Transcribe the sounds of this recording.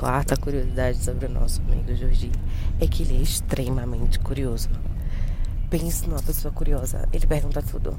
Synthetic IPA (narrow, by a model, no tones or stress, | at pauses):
kwaɾt̪ɐkuɾiozid̪ad͡ʒɪsobɾɪʊnɔ̰sʊamḭɡʊʒoɾd͡ʒĩɛkɪelɪɛiʃt̪ɾemɐmẽnt͡ʃɪ̥kuɾiozʊ | pẽsʊnũmɐpesoɐkuɾiɔzɐ̰elɪpeɾɡũnt̪ɐt̪ʰud̪ʊ̰